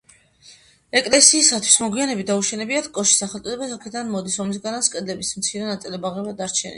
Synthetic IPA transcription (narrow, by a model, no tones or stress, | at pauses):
ɛkʼlɛsiːsat̪ʰw̥i̥smɔɡwianɛbid̪auʃɛnɛbiat̪ʰkʼɔʃi̥saχɛlt̪ʼɔd̪ɛbasakʰɛd̪anmɔd̪isɔmis̬ɡanaskʼɛd̪lɛbismt̪sʰiɾɛnat̪sʼilɛbaʁɛbad̪aɾt͡ʃʰɛnḭ